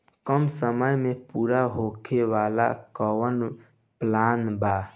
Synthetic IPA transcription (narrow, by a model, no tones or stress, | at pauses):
kəmsəməjmẽpuːɾaɦokʰeʋaːla̰kəwən | plaːnbaː